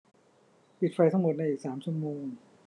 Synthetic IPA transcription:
pi˨˩t̪̚fa˧jt̪ʰa˥˩mo˨˩t̪̚na˧jʔiː˨˩k̚saː˩˦mt͡ɕʰu˥˩ə˨moː˧ŋ

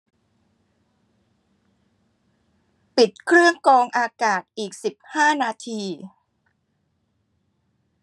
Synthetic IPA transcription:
pi˨˩t̪̚kʰɾɯ˥˩əŋkɔː˧ŋʔaː˧kaː˨˩t̪̚ʔiː˨˩k̚si˨˩p̚haː˥˩naː˧t̪ʰiː˧

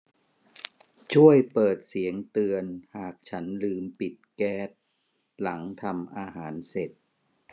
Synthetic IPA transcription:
t͡ɕʰu˥˩əjpɤː˨˩t̪̚si˩˦əŋt̪ɯ˧ənhaː˨˩k̚t͡ɕʰa˦˥nlɯː˧mpi˨˩t̪̚kɛː˦˥˩t̪̚ | la˩˦ŋt̪ʰa˧mʔaː˧ɦaː˩˦nse˨˩t̪̚

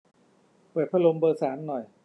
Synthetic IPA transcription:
pɤː˨˩t̪̚pʰa˧lo˧mbɤː˧saː˩˦mnɔ˨˩j

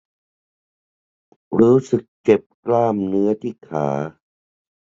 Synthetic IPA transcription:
ɾuː˦˥sɯ˨˩k̚t͡ɕe˨˩p̚klaː˥˩mnɯ˦˥ɐt̪ʰiː˥˩kʰa̰ː˩˦

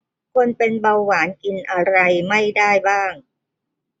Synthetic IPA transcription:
kʰo˧npe˧nba˧wːaː˩˦nki˧nʔa˧ɾa˧jma˥˩jdaː˥˩jbaː˥˩ŋ

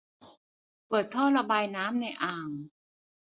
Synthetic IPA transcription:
pɤː˨˩t̪̚t̪ʰɔː˥˩ɾa˧baː˧jnaː˦˥mna˧jʔaː˨˩ŋ

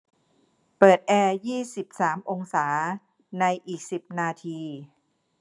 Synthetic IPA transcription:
pɤː˨˩t̪̚ʔɛː˧jiː˥˩si˨˩p̚saː˩˦mʔo˧ŋsaː˩˦ | na˧jʔiː˨˩k̚si˨˩p̚naː˧t̪ʰiː˧

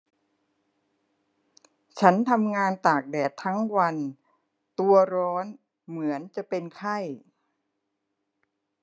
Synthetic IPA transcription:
t͡ɕʰa˦˥nt̪ʰa˧mŋaː˧nt̪aː˨˩k̚dɛː˨˩t̪ʰːa˦˥ŋwa˧n | t̪u˧ɐɾɔː˦˥n | mɯ˩˦ənt͡ɕa˨˩pe˧nkʰa˥˩j

